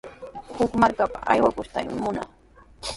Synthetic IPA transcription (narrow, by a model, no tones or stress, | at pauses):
hʊkmaɾkapaʔa̰jwakʊʃt̪ajmɪ̰mʊna̰